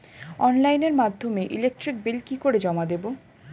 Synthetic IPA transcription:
ɔnlajneɾmad̪ʱːomeʔilek̚ʈɾik̚belkikoɾed͡ʑɔmad̪ebo

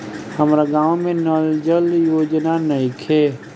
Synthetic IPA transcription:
həmɾaɡãːwmẽnɔld͡ʒəljoːd͡ʒnanəikʰeː

